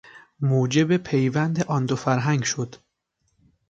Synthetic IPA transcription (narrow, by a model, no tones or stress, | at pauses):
moːd͡ʒebepʰejvænd̪eʔɒnd̪ofæɾɦæŋɡʃod̪̥